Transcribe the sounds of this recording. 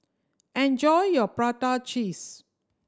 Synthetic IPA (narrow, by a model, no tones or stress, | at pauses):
ɛ̃nd͡ʒɔjjɔpɹatat͡ʃis